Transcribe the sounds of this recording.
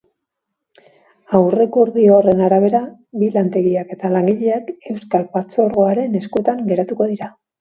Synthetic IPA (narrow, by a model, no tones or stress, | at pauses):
awre̞kuɾðio̞re̞naɾaβ̞e̞ɾa | bilant̪e̞ɣiake̞t̪alaŋɡiʎe̞ake̞wskalpat͡so̞ɾɣo̞aɾe̞ne̞skue̞t̪aŋɡe̞ɾat̪uko̞ðiɾa